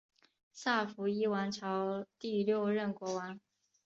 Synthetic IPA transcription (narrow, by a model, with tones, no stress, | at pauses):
sa˥˩fu˧˥i˥wa˧˥nʈ͡ʂʰɑ˧˥ʊt̪i˥˧ljo˥˧ʊɻə˥˩nkwɔ˧˥wa˧˥n